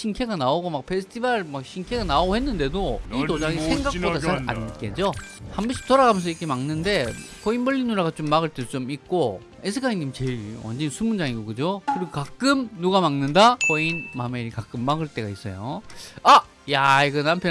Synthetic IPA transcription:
ɕʰinkʰe̞ɡanaoɡomak̚pʰe̞sʰɯ̥tʰibaɭmakɕʰinkʰe̞ɡanaoɡohe̞nːɯnde̞doitod͡ʑaɡisʰe̞ŋɡak̚odaaa̰nk͈ed͡ʑohambʌɕ͈ʰi̥t͈ʌɾaɡamjʌnsʰʌikʰemaŋnɯnde̞ | kʌinmʌʎːinuɾaɡat͡ɕomːaɡɯɭt͈e̞dot͡ɕomik̚k͈o | esʰɯkʰaiɲimt͡ɕeiʌ̰nd͡ʑensʰumund͡ʑaŋiɡokɯd͡ʑokɯɾiɡokak͈ɯmnuɡamaŋnɯndakʌinmameɾikak͈ɯmːaɡɯɭt͈e̞ɡa̰is͈ʌ̰jo̰a | jaiɡɯnampʰjʌ

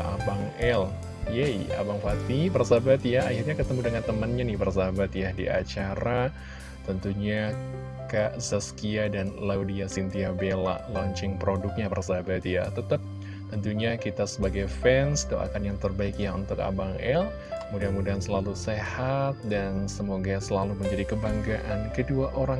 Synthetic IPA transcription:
a̰baŋɛl | jɛja̰baŋfat̪ibərsabat̪jaahɪrɲakət̪əmudəŋant̪əmənɲanɪhbərsabat̪jadḭʔa̰t͡ʃaɾa | t̪ənt̪uɲa | kaʔzaskiadanlawdiasint̪iabela̰ʔlɔɲt͡ʃɪŋpɾodʊk̚ɲabərsabat̪ja̰t̪ət̪ap̚ | t̪ənt̪uɲakit̪asəbaɡajfɛnsdoʔa̰kanjaŋt̪ərbaɪkjaunt̪ʊka̰baŋɛl | kəmudianmudiansəlalusehat̪̚dansəmoɡasəlaluməɲd͡ʒadikəbaŋɡaʔankəduaʔoɾaŋ

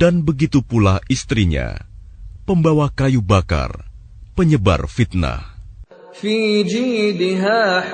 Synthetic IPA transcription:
d̥anbəɡit̪upulaʔist̪ɾiɲa̰ | pəmbawakajubaka̰r | pəɲəba̰rfit̪̚na̰h | fiːd͡ʒiːd̪ɪɦaː

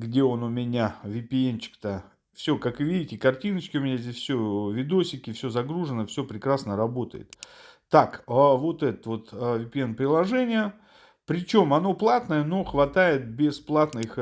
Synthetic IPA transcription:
ɡdʲe̞o̞nʊmʲɪnʲavʲɪpʲɪent͡ɕɪ̥kt̪ə | fsʲɵkakɨvʲidʲɪtʲɪkɐrtʲinət͡ɕkʲɪʊmʲɪnʲazʲdʲesʲfʲsʲovʲɪd̪osʲɪkʲɪfsʲɵzɐɡɾuʐɨnəfsʲɵpɾʲɪkɾasnəɾɐbo̞t̪ə̰jɪ̰t̪ː | akəvo̞t̪ɛt̪ət̪vo̞t̪vʲɪpʲɪenpɾʲɪlˠɐʐɛnʲɪjə | pɾʲɪt͡ɕo̞mɐno̞plˠat̪nəjəno̞xvɐt̪ajɪt̪̚bʲɪsplˠat̪nɨx

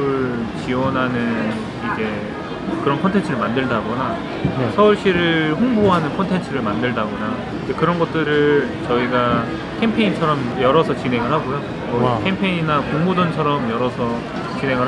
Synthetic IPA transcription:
ɯɭt͡ɕiwʌnɦanɯn | id͡ʑe̞ | kɯɾʌnkʰʌntʰe̞ntʰɯɾɯɭmandɯɭdaɡʌna | sʰʌuɭɕ͈iɾɯɸoŋboɦanɯnkʰʌntʰe̞nt͡ɕʰɯɾɯɭmandɯɭdaɡʌna | ekɯɾʌnɡʌt̚t͈ɯɾɯt͡ɕʌiɡa | kʰempʰe̞int͡ɕʰʌɾʌmjʌɾʌsʰʌt͡ɕinɦe̞ŋɯɭɦaɡojo | ʌkʰempʰeɲinakoŋmodʌnt͡ɕʰʌɾʌmjʌɾʌsʰʌ | t͡ɕinɦe̞ŋɯɭ

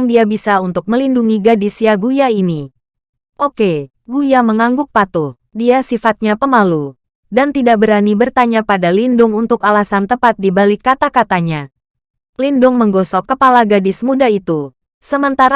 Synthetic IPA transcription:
ŋdiabisaunt̪ʊk̚məlinduŋiɡadisjaɡujaini | ʔoke | ɡujaməŋaŋɡʊk̚pat̪ʊh | diasifat̪̚ɲapəmalu | dant̪idak̚bəɾanibərt̪aɲapadalindʊŋunt̪ʊkalasant̪əpat̪̚dibalɪkːat̪akat̪aɲa | lindʊŋməŋɡɔsɔkːəpalaɡadɪsmudait̪u | səmənt̪aɾ

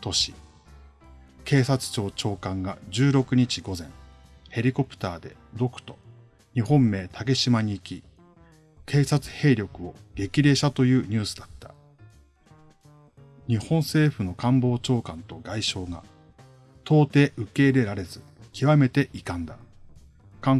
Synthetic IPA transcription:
t̪o̞ɕi | ke̞ːsat͡sɨ̥t͡ɕo̞ːt͡ɕo̞ːkãŋɡa̰d͡ʑɨːɾo̞kɯ̟ɲ̟it͡ɕiɡo̞zẽ̞̰ŋ | he̞ɾʲiko̞pɯ̟̥t̪aːd̪e̞d̪o̞kɯ̟̥t̪o̞̥ | ɲ̟iɦõ̞mːe̞ːt̪ʰaɡe̞ɕimaɲ̟iːkʲi | kʰe̞ːsat͡sɨ̥he̞ːɾʲjo̞kɯ̟o̞ɡe̞kʲiɾe̞ːɕat̪o̞jɯ̟ːɲ̟ɨːsɨ̥d̪at̪ːḁ | ɲ̟ihõ̞ɰ̃se̞ːɸɯ̟no̞kãmbo̞ːt͡ɕo̞ːkãnt̪o̞ɡaiɕo̞ːɡa̰ | t̪ʰo̞ːt̪e̞ːʔɯ̟ke̞ːɾe̞ɾaɾe̞zɨkʲiβame̞t̪e̞ʔikãnd̪a | kã

